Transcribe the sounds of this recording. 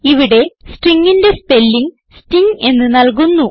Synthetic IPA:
iʋiɽe̞sʈriŋːindespe̞lːiŋ | sʈiŋe̞nːɨnɐlk̬unːu

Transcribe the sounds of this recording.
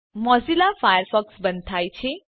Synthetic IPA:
mʌd͡zilapʰajərpʰʌksbʌnt̪ʰajt͡sʰe

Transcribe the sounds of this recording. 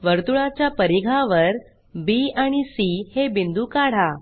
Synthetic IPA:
ʋəɾt̪uɭat͡ɕjapəɾiɡʱaʋəɾ | biaɽ̃isihebind̪ukaɽ̤a

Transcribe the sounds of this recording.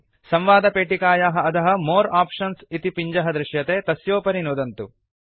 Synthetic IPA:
sɐ̃mʋaːd̪ɐpeːʈikaːjaːɦɐɐt̪ɐɦɐ̆moːɾaːpʂɐnsit̪ipiɲd͡ʒɐɦɐd̪ɾɪʃjɐt̪eːt̪ɐsjoːpɐɾinoːd̪ɐnt̪u

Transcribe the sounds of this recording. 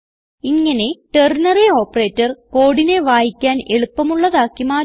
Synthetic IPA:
iŋːɐne̞ʈernɐreo̞ːpːɐre̞ːtːɐrko̞ːɽine̞ʋaːjikʲːaːne̞ɭupːɐmuɭːɐðaːkːimaː

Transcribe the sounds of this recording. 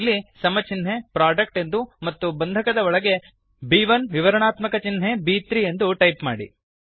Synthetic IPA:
lːisɐmɐt͡ʃinɦepɾaːɖɐk̚ʈe̞nd̪umɐt̪ːubɐnd̪ʱɐkɐd̪ɐɔɭɐɡe̞ | biːʋɐnʋiʋɐɾɐɳaːt̪mɐkɐt͡ʃinɦe̞biːt̪ɾie̞nd̪uʈɐjpma̰ːɽḭ

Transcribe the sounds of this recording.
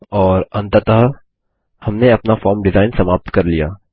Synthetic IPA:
ɔːɾɐ̃nt̪əɾt̪əɦə | hɐmneɐpnafɔːɾmɖɪzaːɪnsɐmaːp̚t̪kɐɾlija̰ː

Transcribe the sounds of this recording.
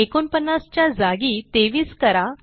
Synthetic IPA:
ekonpənːast͡ɕjad͡zaɡiːt̪eʋiːskəɾa

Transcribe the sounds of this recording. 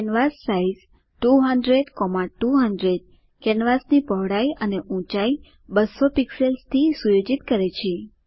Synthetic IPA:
kɛnʋasːaiz | ʈuɦəɳɖɾeɖkɔmaʈuɦəɳɖɾeɖ̚ | kɛnʋasnipəʋɽaiəneʔũt͡ʃai | bəsopikselst̪ʰisujod͡ʒit̪kəɾet͡ʃʰe

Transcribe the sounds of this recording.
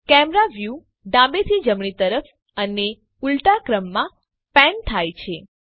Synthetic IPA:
kɛmɾaʋju | ɖãbet̪ʰid͡ʒəmɳit̪əɾəf | əne | ulʈakɾəmːã | pɛ̃nt̪ʰajt͡ʃʰe

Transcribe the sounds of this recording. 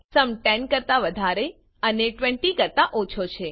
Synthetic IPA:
səmʈɛnkəɾt̪aʋəd̪ʱaɾe | əneʈʋɛ̃ɳʈikəɾt̪aʔot͡ʃʰot͡ʃʰe

